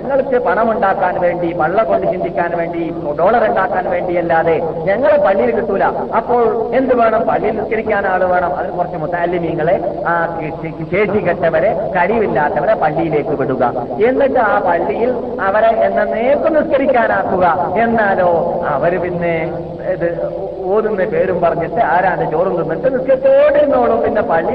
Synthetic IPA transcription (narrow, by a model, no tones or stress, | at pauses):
ɲɲɐŋːɐɭkːɨpɐɳɐmuɳɖaːkːaːnʋe̞ːɳɖipɐɭːɐko̞ɳɖiʂɐnt͡ɕikʲːaːnʋe̞ːɳɖi | ɖo̞ːɭɐruɳɖaːkːaːnʋe̞ːɳɖijɐlːaːðe̞ɲɐŋːɐɭepɐɭːijilkːiʈ̪ːulɐɐpːo̞ːɭe̞nd̪uʋe̞ːɳɐmpɐɭːijilnuʈkɐɾikʲːaːnaːɭuʋe̞ːɳɐmɐ̰ðilkurɐt͡ɕːumut̪ːaːlːimɲiŋːɐɭe̞ | ɕe̞ːɕiɣɐʈːɐʋɐɾekɐɽiʋilːaːt̪ːɐʋɐɾepɐɭːijile̞ːkːɨʋiɽuɣɐ̰ | e̞nːiʈːɨaːpɐɭːijil | ɐʋɐɾeʔenːɐneːkːɨniskɐɾikʲːaːnaːkːuɣɐe̞nːaːlo̞ːɐʋɐɾupinːe | iðɨ | oːnunːɐpe̞ːɾumpɐrɐɲːɐʈ̪ːɨɐɾaːnd̪ɨt͡ɕoːrund̪unːɐnd̪ɨniskɐɾikʲːɐoːɳɖiɾunːoːɭopinːepɐɭːi